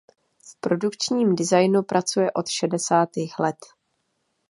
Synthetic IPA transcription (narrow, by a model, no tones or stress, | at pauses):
fpɾo̞dukt͡ʃɲiːmdɪzajnupɾʔat͡sujɛʔo̞t̪ʃɛdɛsaːt̪iːxlɛt̪